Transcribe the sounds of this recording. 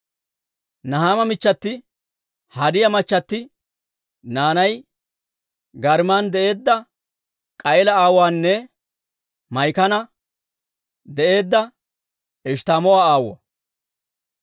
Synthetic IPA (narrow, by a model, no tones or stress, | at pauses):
nɐɦaːmɐmɪt͡ʃːɐt̪ːɪ | hɐd̪ɪjɐmɐt͡ʃːɐt̪ːɪ | naːnɐj | ɡɐɾmaːnd̪ɛʔe̞ːd̪ːɐ | kʼɐʔɛlɐaːwaːnːɛ | mɐjkɐnɐ | d̪ɛʔe̞ːd̪ːɐ | ɛʃt̪aːmɔwaːaːwɔ